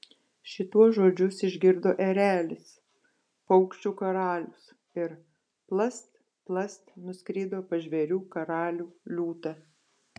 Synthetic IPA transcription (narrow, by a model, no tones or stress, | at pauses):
ʃʲɪt̪uɔsʒoːd͡ʒʲʊsɪʒʲɡʲɪɾd̪oːʔɛɾʲæːlʲɪs | pɐʊkʃʲt͡ʃʲuːkɐɾɑːlʲʊs | ɪɾ | plˠɐst̪ | plˠɐst̪nʊsʲkɾʲiːd̪oːpɐʒʲʋʲɛɾʲuːkɐɾɑːlʲuːlʲuːt̪ɑ